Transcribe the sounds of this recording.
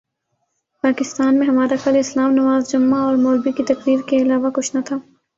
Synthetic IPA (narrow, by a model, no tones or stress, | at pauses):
paːkɪst̪aːnmẽɦɐmaːɾaxɐlɪslaːmnɐʋaːzd͡ʒʊmːaɔːɾmoːlbikit̪ɐkɾiːɾkeɪlaːʋakʊt͡ʃʰnat̪ʰaː